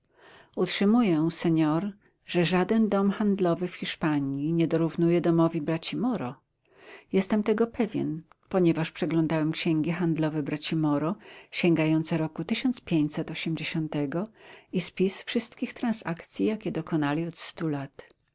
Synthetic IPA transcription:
utʂɘmujɛsɛɲɔɾ | ʐɛʐad̪ɛnd̪ɔmxand̪lɔvɘfxʲiʂpaɲiɲɛd̪ɔɾuvnujɛd̪ɔmɔvʲibɾat͡ɕimɔɾɔ | jɛst̪ɛmt̪ɛɡɔpɛvʲjɛ̰n | pɔɲɛvaʂpʂɛɡlɔ̃nd̪awɛmkɕɛŋɡʲɛxand̪lɔvɛbɾat͡ɕimɔɾɔɕɛŋɡajɔnt̪sɛɾɔkut̪ɘɕɔnt̪spʲjeɲt͡ɕsɛt̪ɔɕɛmd͡ʑeɕɔnt̪ɛɡɔispʲisfʂɘst̪kʲixt̪ɾãnsakt̪sʲjijakʲɛd̪ɔkɔnalʲiɔt̪st̪ulat̪

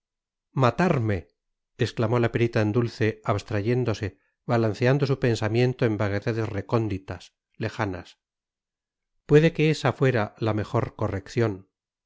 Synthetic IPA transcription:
mat̪aɾmeː | sklamo̞lapeɾit̪aend̪ulθe̞aβst̪ɾaʝe̞nd̪o̞se̞ | βalanθeand̪o̞supe̞nsamje̞nt̪oembaɣe̞ðaðe̞zre̞ko̞nd̪it̪as | le̞xana̰s | pwe̞ðe̞ke̞esafwe̞ɾalame̞xo̞ɾko̞re̞kθjo̞n

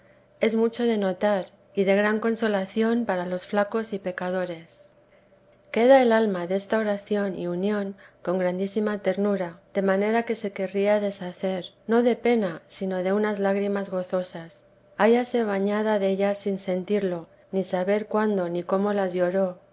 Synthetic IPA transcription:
e̞zmut͡ʃo̞ð̞e̞no̞t̪aɾ | iðe̞ɣɾaŋko̞nso̞laθjo̞mpaɾalo̞sflako̞sipe̞kað̞o̞ɾe̞s | ke̞ð̞ae̞lalmaðee̞st̪ao̞ɾaθjo̞nḭunjõ̞nko̞ŋɡɾand̪isimat̪e̞ɾnuɾad̪̥e̞mane̞ɾake̞se̞ke̞riaðe̞saθe̞ɾno̞ðe̞pe̞nasino̞ðe̞unazlaɣɾimazɣo̞θo̞sas | aʝase̞β̞aɲaðaðe̞ʎasinse̞nt̪iɾlo̞ː | isaβe̞ɾkwand̪o̞niko̞mo̞lazʝo̞ɾo̞

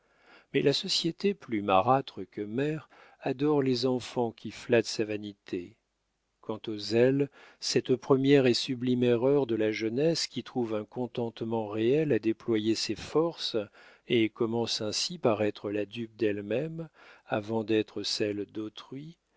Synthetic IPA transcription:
mɛlʔasɔsjet̪eplymaʁat̪χəkəmɛʁ | ad̪ɔʁlezɑ̃fɑ̃kʲiflat̪savanit̪ʰe | kɑ̃t̪ozɛlsɛt̪pχəmjɛʁesyblimeʁœʁd̪əlaʒənɛskʲit̪χuvɛ̃kɔ̃t̪ɑ̃t̪mɑ̃ʁeɛlad̪eplwajesefɔʁs | ekɔmɑ̃sɛ̃sipaʁɛt̪χəlad̪yp̚d̪ɛlmɛmavɑ̃d̪ɛt̪χəsɛld̪ot̪χɥi

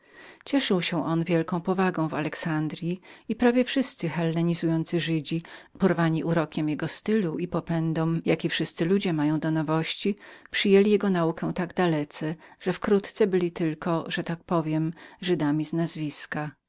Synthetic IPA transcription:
t͡ɕɛʂɘwɕɛ̃ʔɔnvʲjɛlkɔ̃w̃pɔvaɡɔ̃w̃valɛksand̪ɾʲjiipɾavʲjɛfʂɘst̪sɘxɛlːɛɲizujɔnt̪sɘʐɘd͡ʑipɔɾvaɲiʔuɾɔkʲɛmjɛɡɔst̪ɘluipɔpɛnd̪ɔmjakʲifʂɘst̪sɘlud͡ʑɛmajɔ̃w̃d̪ɔnɔvɔɕt͡ɕipʂɘjelʲijɛɡɔnaukɛw̃t̪aɡd̪alɛt̪sɛʐ̥ɛfkɾut̪t̪sɛbɘlʲit̪ɘlkɔʐɛt̪ak̚pɔvʲjɛmʐɘd̪amʲiznazvʲiska

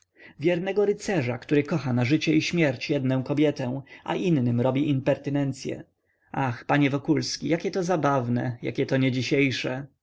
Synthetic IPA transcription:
vʲjɛɾnɛɡɔɾɘt̪sɛʐakt̪uɾɘkɔxanaʐɘt͡ɕɛiɕmʲjɛɾt͡ɕjɛd̪nɛ̃w̃kɔbʲjɛt̪ɛw̃ʔa̰ʔinːɘmɾɔbʲiʔimpɛɾt̪ɘnɛnt̪sʲjɛ̰ | axpaɲɛvɔkulskʲijakʲɛt̪ɔzabavnɛ̰ja̰kʲɛt̪ɔɲɛd͡ʑiɕejʂɛ

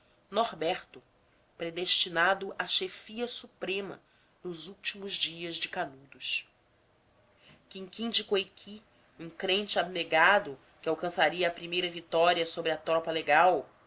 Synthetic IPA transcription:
noɾbɛɾt̪ʊ | pɾed̪eʃt͡ʃinad̪ʊʔaʃefiɐsupɾẽmɐ̰ | nʊzuwt͡ʃimʊzd͡ʒiɐzd͡ʒɪkanud̪ʊʃ | kĩŋkĩŋd͡ʒɪkojkʰi | ũkɾẽnt͡ʃɪabneɡad̪ʊ | kɪawkɐ̃saɾiɐːpɾimejɾɐvit̪ɔɾiɐsobɾɪɐt̪ɾɔpɐleɡaw

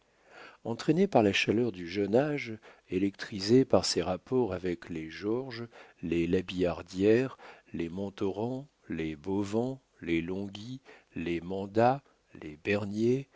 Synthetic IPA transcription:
ɑ̃t̪χenepaʁlaʃalœʁd̪yʒənaʒ | elɛk̚t̪χizepaʁseʁapɔʁavɛkleʒɔʁʒlelabiaʁd̪jɛʁlemɑ̃t̪ɔʁɑ̃ | lebovɑ̃ | lelɔ̃ɡʲilemɑ̃d̪a | lʔḛbɛʁnje

